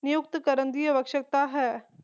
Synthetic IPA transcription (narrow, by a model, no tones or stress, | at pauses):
nɪjʊk̚t̪kɐɾənd̪iːəʋɐkʃək̚t̪aɦɛː